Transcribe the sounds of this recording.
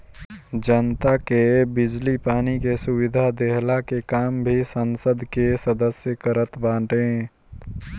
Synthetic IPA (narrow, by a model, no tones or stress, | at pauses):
d͡ʒənt̪akebɪd͡ʒlipaːnikesʊwɪd̪ʱad̪eɦlakekaːmbʱisənsəd̪ʱkesəd̪əsjəkəɾət̪bãːʈẽː